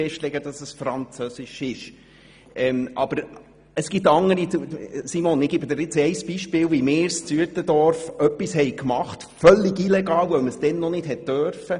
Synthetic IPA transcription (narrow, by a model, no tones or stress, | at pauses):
ɛʃtlɛɡəd̥ɑsəsfɾɑnt͡søsɪʃɪʃ | ɛmʔɑ̰b̥əɾ | əsɡ̥itɑŋːəɾisimonɪɡ̥ibəd̪ɪɾɪt͡sɛɪsb̥iʃpɪːlʋimɪːst͡syətədɔɾfœpːishɛɪkmɑχt | fœlːɪɡilɛɡɑːwœməsd̥ɛnːɔnɪd̥ɦɛt̚tœɾfə